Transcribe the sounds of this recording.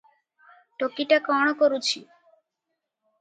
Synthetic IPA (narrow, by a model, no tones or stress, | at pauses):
ʈokiʈakɔɽ̃ɔkɔɾut͡ʃʰi